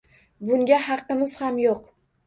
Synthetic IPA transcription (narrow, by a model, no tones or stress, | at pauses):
bʊŋɡʲaɦɑqːɨmɪz̥hamjoq